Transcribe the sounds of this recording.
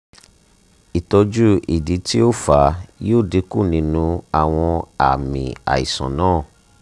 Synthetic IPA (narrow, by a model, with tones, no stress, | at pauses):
i˨tɔ˧d͡ʒu˦ḭ˨di˨˦ti˦o˦˨fa˨˦jo˦˨de˨˧˦ku˦˨nĩ˧˦nũ˧a˦˨w̃ɔ̃˧a˨mḭ̃˨a̰˨ḭ˨sã̰˨nãː˦˨